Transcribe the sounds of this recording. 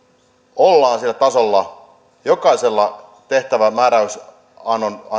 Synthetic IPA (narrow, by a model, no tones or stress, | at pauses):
olːɑːnsilːæt̪ɑsolːɑ | jokɑiselːɑt̪eht̪æʋæmæːɾæys | ɑnːonɑ